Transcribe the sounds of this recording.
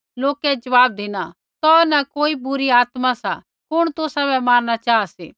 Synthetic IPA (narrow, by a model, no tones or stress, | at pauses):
loːkɛd͡ʒɐʋaːb̚d̪eːna | t̪ɔnɐkoːibʊɾiaːt̪masa̰ | kʊɽ̃t̪ʊsabɛmaːnnat͡ʃaːaseː